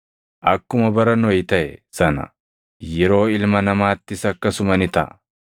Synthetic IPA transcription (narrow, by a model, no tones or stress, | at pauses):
ʔɐkːʊmɐbɐɾɐnɔjt̪ɐʔɛ̰sɐnɐ̰ | jɛɾo̞ːɪlmɐnɐmaːt̪ːɪsɐkːɐsʊmɐnɪt̪ɐ̰ʔ